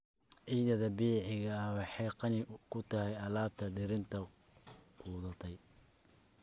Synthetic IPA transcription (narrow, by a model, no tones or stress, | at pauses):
ʕiːðɐðɐbiːʕɪɣɐɐwɑħɑjqɑnɪkʰʊt̪ʰɐhɛjɐlaːb̚t̪ʰɐd̪ɪɾɪnt̪ʰɐ | qʰuːðɐt̪ʰɛj